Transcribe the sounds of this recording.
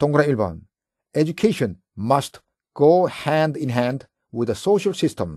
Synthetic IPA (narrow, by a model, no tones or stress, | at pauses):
t̪ɔ̃ŋɡɾãilba̰ːn | ed͡ʒukʰeːʃə̃n | mɐst | ɡ̥oːhæ̃ndĩnɦæ̃nd | wɪd̪əsoːʃəlsɪsʈə̃m